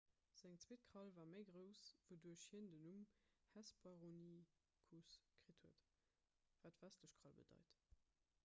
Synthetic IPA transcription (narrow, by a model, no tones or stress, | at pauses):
z̥æŋt͡sweːtkʁ̥ɑlvaːməɪɡʁəʊsv̥oːduɐɕhiəndənumhæsbɑʁoniː | kʰuskʁ̥itʰhuət | væːtv̥æstləɕkʁ̥ɑlbə̰dɑ̰ɪt